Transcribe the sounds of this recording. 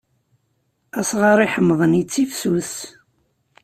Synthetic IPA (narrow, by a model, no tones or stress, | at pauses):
æsʁɑɾˤiħəmːðˤənit͡sːifsuθ